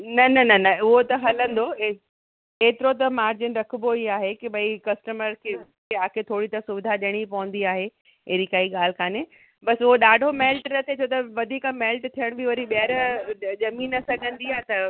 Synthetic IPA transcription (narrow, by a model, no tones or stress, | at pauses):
nɐnɐnɐnɐʊɦot̪ɐɦɐlə̃nd̪o | eːt̪ɪɾot̪̬ɐmaːɾd͡ʑɪnɾɐkʰʊboiaːɦekibʱɐikɐsʈəməɾkʰeː | eaːkʰet̪ʰoːɽit̪ɐsʊʋɪd̪ʱaɗɪɽ̃ipɐʋə̃n̆d̪iaːɦe | eːɾikaːiɠaːl̤ɪkʰaːne | bɐsʊɦoɗaːɖʱomɛːlʈnɐt̪ʰeot̪ɐʋɐd̪ʱiːkamɛːlʈt̪ʰijəɽ̃biʋɐɾiɓɐəɾʄɐmiːnːɐsɐɡʱə̃nd̪iaːɦt̪ɐ